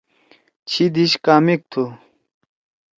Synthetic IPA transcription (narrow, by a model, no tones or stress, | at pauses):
t͡ɕʰid̪iɕkaːmik̚t̪ʰu